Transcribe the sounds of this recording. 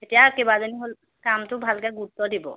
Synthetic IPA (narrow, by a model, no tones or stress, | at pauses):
eʈiakebad͡ʒoniɦol | kamt̪ubʱalɡaɡuɾt̪ːod̪ibo̰